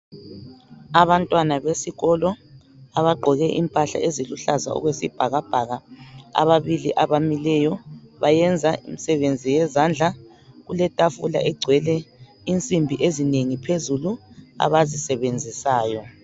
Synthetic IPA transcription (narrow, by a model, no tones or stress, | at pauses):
aβantʼwanaβesiɣɔlɔ | aβaɡ͡ǃʱɔɣɛʔḭmpʼaɬa̰ʔeziluɬaza̰ɔ̰ɣwesib̥ʱaɣab̥ʱaɣaa̰βaβiliʔaβamilɛjɔβajɛnd͡zʱaḭmisɛβend͡zʱijɛzand͡ɮʱa | ɣulɛtʼafula̰ʔɛɡ͡ǀʱwɛlɛ | int͡sʼimbʱiʔezineŋipʰezulua̰βazisɛβend͡zʱisaːjɔ